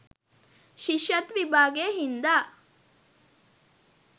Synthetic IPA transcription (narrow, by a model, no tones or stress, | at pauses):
ʃiʃjɐt̪ʋibʱaːɡeːɦind̪aː